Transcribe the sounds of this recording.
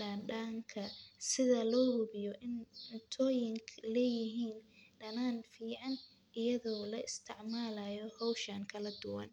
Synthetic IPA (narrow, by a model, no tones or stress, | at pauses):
ɖaːnɖaːŋkʰɐsɪðɐlɔːhʊβɪjɔʔɪnʊnt̪ʰɔːjɪŋkʰlɛːjɪɦiːnɖɐnaːnfiːʕɑn | ʔɪjɐðɔːlɐʔɪst̪ʰɪʕmaːlajɔhɔwʃɐŋkʰɐlɐd̪ʊwɐ̰n